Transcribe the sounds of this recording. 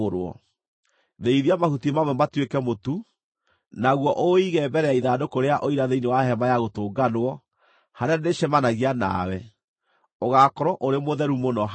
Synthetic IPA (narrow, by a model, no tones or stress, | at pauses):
oɾɔ̰ | ðeiðiamahutimamwɛmatwekɛmotu | naɣwɔʔoiɣɛːmbɛɾɛaiðadokoɾeaʔoiɾaðeinewahɛmajaɣotoːɡanwɔ | haɾeaneʃɛmanaɣiana̰wɛ | oɣakɔɾɔʔoɾemoðɛɾumonɔ